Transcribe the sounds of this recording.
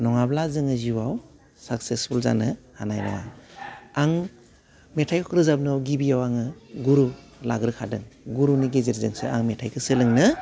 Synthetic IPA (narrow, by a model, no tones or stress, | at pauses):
nɔŋablazɯŋɯziwaw | sak̚sespʰulza̰nɯhanajnɔ̰wa̰ | aŋ | metʰajkʰɯkʰɾɯzab̚nɔɡibijawaŋɯɡuɾu | la̰ɡɾɯkʰadɯŋɡuɾuniɡeziɾzɯŋsɯ̰a̰ŋmetʰajkʰɯsɯlɯŋnɯ